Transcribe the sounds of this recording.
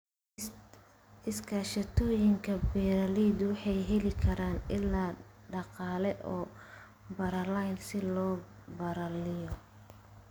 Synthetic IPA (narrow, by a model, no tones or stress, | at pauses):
ɪskʰaːʃɐt̪ʰɔːjɪŋkʰɐbɛːɾɐliːd̪wɑħɑjɦɛlɪkʰɐɾaːnɪlːaːɖɑqɑːlɛʔɔː | bɐɾɐlajnsɪlɔːbɐɾɐlɪjɔ